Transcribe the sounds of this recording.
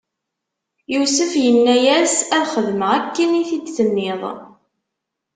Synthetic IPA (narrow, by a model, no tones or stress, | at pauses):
jusəfjənːæjæsæðχəðməʁækːəniθidθənːɪðˤ